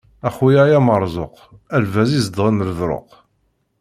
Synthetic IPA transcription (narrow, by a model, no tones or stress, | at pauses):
æχwijæjæməɾˤzˤo̰q | ælvæzizd̪ʁəməɾəðɾo̰q